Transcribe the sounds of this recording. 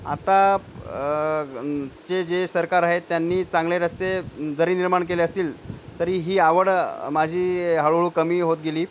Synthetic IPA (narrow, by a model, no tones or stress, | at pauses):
a̰t̪a | t͡sed͡ʑesəɾkaɾaɦet̪ːjanːiːt͡saŋɡleɾəst̪ed͡zəɾiːniɾmaɳkeleəst̪iːlt̪əɾiːɦiːaʋəɽmad͡ʑʱiːɦəɭʋɭuːkəmiːɦot̪̚ɡeliː